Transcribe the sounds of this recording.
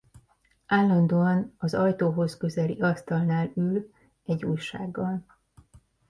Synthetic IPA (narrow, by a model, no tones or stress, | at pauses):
ʔaːlːɒnd̪oːɒnɒzɒjt̪oːɦo̞skø̞zɛlḭɒst̪ɒlnaːlyl | ɛɟːuːjʃa̰ːɡːɒl